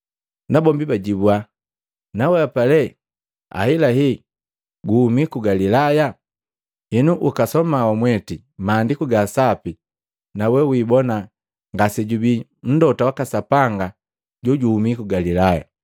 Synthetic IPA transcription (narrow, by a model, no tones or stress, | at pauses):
nabɔmbibaɟibua | nawɛapalɛ | a̰hilaɦi | ɡuhumikuɡalilaja | hinuʔukasɔmawamwɛti | maːndikuɡasapi | nawɛwibɔna | ŋɡasɛɟubi | n̩dɔtawakasapaŋɡa | ɟuɟuhumikuɡalilaja̰